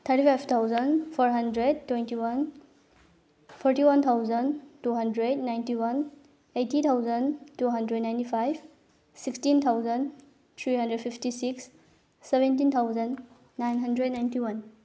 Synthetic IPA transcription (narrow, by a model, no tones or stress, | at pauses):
t̪ʰəɾtipʰajbʰt̪ʰawzənpʰɔɾɦɐndɾed̚tːwentiwɐn | pʰɔɾtiwɐnt̪ʰawzəntuɦɐndɾed̚najntiwɐn | etit̪ʰawzəntuɦɐndɾednaj̃ntipʰajb | sikstint̪ʰawzən | t̪ʰɾiɦɐndɾed̚pʰipʰtisiksː | ebentint̪ʰawzənː | ajnɦɐndɾed̚najntiwɐn